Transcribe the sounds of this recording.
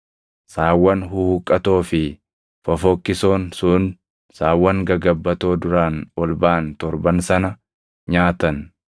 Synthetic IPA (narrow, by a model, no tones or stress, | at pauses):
saːwːɐnhuhʊkʼːɐt̪o̞ːfɪ | fɐfɔkːɪso̞ːnsʊn | saːwːɐŋɡɐɡɐbːɐt̪o̞ːd̪ʊɾaːnɔlbaːnt̪ɔɾbɐnsɐnɐ | ɲaːt̪ɐn